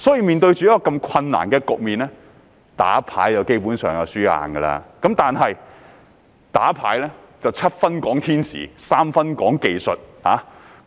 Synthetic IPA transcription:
sɔː˨˥jiː˧miː˨˧nt̪ɵ˧ɥt͡ʃyː˨jɐ˥kɔː˧kɐ˧mkʰɐ˧nːa̰ː˨˩nkɛː˧kʊ˨k̚miː˨nlɛː˥ | t̪a̰ː˨˥pʰa̰ː˨˥jjɐ˨˧wke˥jpuː˨˥nsœː˨ŋjɐ˨˧wsyː˥a̰ː˧nɡə˧la̰ː˧kɐ˨˥mt̪aː˨nɦɐ˨j | t̪aː˨˥pʰa̰ː˨˥jlɛː˥ | t͡sɐ˨wt͡sʰɐ˥t̚fɐ˥nkɔː˨˥ŋt̪ʰiː˥nsḭː˨˩saː˥mfɐ˥nkɔː˨˥ŋke˨jsɔ˨t̚haː˨˥

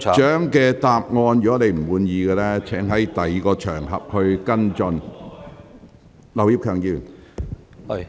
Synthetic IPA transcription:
t͡ʃœː˨˥ŋkɛː˧t̪aː˧p̚ŋɔː˧njy˨kɔ˨˥ne˧jm̩˨˩wuː˧njiː˨˧ɡɛː˧lɛː˥t͡ʃʰɛː˨˥ŋɦɐ˨˥jt̪ɐ˨jiː˨˧kɔː˧t͡ʃʰœ̰ː˨˩ŋɦɐ̰˨p̚hɵ˧ɥkɐ˥nt͡ʃɔ˧n | lɐ˨˩wjiː˥p̚kʰœː˨ŋjiː˧˩

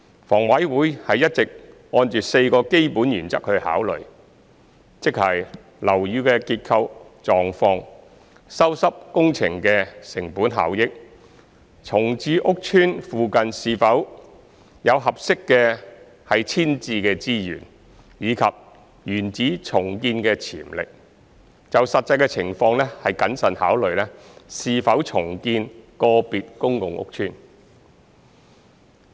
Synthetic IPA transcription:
fɔː˨˩ŋwɐ˨˥jwuː˨˥jhɐ˨jɐ˥t̚t͡sɪ˨k̚ | ɔː˧nt͡ʃyː˨˩t̚se˧jkɔː˧ke˥jpuː˨˥njyː˨˩nt͡sɐ˥k̚hɵ˧ɥha̰ː˨˥wlɵ̰˨˩ɥ | t͡sɪ˥k̚hɐ˨˩j | lɐ˨˩wjyː˧kɛː˧kiː˧t̚kʰɐ˧wt͡ʃɔː˨ŋfɔː˧ŋ | sɐ˥wsɐ˥p̚kʊ˥ŋt͡sʰɪ˨˩ŋkɛː˧sɪ˨˩ŋpuː˨˥nɦa̰ː˨˥wjɪ˥k̚ | t͡sʰʊ˨˩ŋt͡siː˨˧ʔʊ˥k̚t͡ʃʰyː˥nfuː˨kɐ˨nsiː˧fɐ˨˥w | jɐ˨˧wɦɐ˨p̚sɪ˥kːɛː˧ | hɐ˨jt͡sʰiː˥nt͡siː˧kɛː˧t͡siː˥jy̰ː˨˩n | jiː˨˧kʰɐ˨p̚ | jyː˨˩nt͡siː˨˥t͡sʰʊ˨˩ŋkiː˧nkɛː˧t͡sʰḭː˨˩mlɪ̰˨k̚ | t͡sɐ˨wsɐ˨t̚t͡sːɐ˧jkɛː˧t͡sʰɪ˨˩ŋfɔː˧ŋlɛː˥hɐ˨jkɐ˨˥nsɐ˨nha̰ː˨˥wlɵ˨ɥlɛː˥siː˨˧fɐ˨˥wt͡sʰʊ˨˩ŋkiː˧nkɔː˧piː˨t̚kʊ˥ŋkʊ˨ŋʔʊ̰˥k̚t͡ʃʰyː˥n

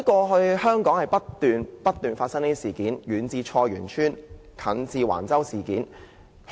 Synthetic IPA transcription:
ɐ˥kɔː˧ɦɵ˧ɥhœː˥ŋkɔː˨˥ŋhɐ˨jpɐ˥tt̪yː˨npɐ˥t̪̚yː˨nfaː˧t̚sɐ˥ŋniː˥i˥siː˨˩kiː˨˥njyː˨˥nt͡siː˧t͡ʃʰɔː˧jy̰ː˨˩nt͡ʃʰyː˥nkʰɐ˨˥nt͡siː˧wa̰ː˨˩nt͡sɐ˥wsiː˨˩kiː˨˥n

